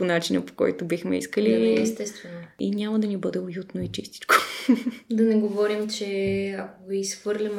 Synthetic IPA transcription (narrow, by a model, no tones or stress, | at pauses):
ponat͡ʃinə̰po̥kɔ̰jt̪obixmɛ̰ḭskəliɛst̪ɛst̪vɛnoinʲamɐd̪ɐnibɤd̪ɛojut̪noit͡ʃist̪i̥t͡ʃko̥ | d̪ɐnɛɡovɔɾimt͡ʃɛakoviisfv̥ɤɾlʲɐm